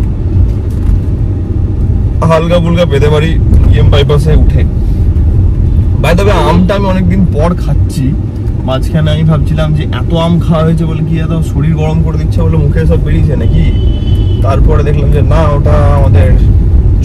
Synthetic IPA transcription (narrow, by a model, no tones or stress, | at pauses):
ɦalkabulkabed̪ebaɾiiembajp̬as̬euʈʰe | bajt̪̬ɔbeamʈaamiɔnek̚d̪inpɔɽkʰatːɕʰi | mad͡ʑkʰaneamibʱab̚t͡ɕʰilamd͡ʑeʔɛ̰t̪oamkʰawaɦoet͡ɕʰebolek̬iɛt̪oʃoɽiɾɡɔɾomkoɾed̪itːʰebolemukʰeʃɔbːeɽit͡ɕʰenaki | t̪aɾpɔɾed̪ekʰlamd͡ʑenaoʈaamad̪eɾ